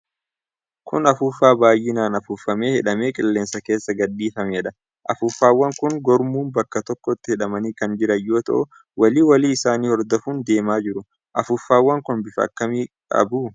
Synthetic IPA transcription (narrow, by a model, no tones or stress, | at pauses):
kʰʊ̰nɐfuːfːaːbaːjːɪnaːnɐfuːfɐme̞ːhɛᶑɐme̞ːkʼɪlːe̞ːnsɐke̞ːsːɐɡɐᶑːiːfɐmɛɛᶑɐ | ʔɐ̰fʊːfːaːwːɐŋkʊŋɡɔɾmuːnbɐkːɐt̪ɔkːɔt̪ːɪhɛᶑɐmɐniːkɐnd͡ʒɪɾɐjːo̞ːt̪ɐ̰ʔʊ | wɐliːwɐliːɪsaːniːhɔɾd̪ɔfuːnd̪e̞ːmaːd͡ʒɪɾʊ | ʔɐfʊfːaːwːɐŋkʊnbɪfɐ̰kːɐmiː | ɐ̰buː